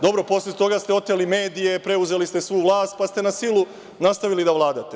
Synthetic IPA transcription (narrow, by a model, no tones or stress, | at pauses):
d̪o̞bɾo̞po̞slet̪o̞ɡast̪eo̞t̪ːelime̞ːd̪ije̞pɾe̞uze̞list̪e̞sʋujuʋlˠaːst̪̚past̪e̞nasilˠu | nast̪aʋilid̪aʋlˠaːd̪at̪e̞